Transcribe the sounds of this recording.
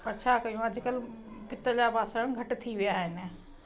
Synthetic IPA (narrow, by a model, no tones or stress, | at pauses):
pɐɾt͡ɕʰaːkɐjũɐd͡ʑʱɪkəlpɪt̪d͡ʑaːbaːsəɽ̃ɡʱɐʈt̪ʰiʋɪjaːɦɪnɪ̆